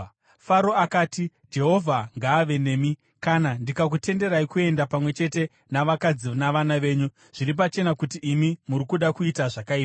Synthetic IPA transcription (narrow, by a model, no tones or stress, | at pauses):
faɾo̞akaːti | d͡ʒe̞ɦo̞vʱaŋɡaːʋe̞ne̞ːmi | kanandikak̬ute̞nde̞ɾaikue̞ndapamwe̞t͡ʃe̞te̞ | naʋakad͡zinaʋanaʋe̞ːɲu | ʐ̥iɾip̬at͡ʃe̞nakutiʔːmimuɾikuɗakuitaʐakaiːpa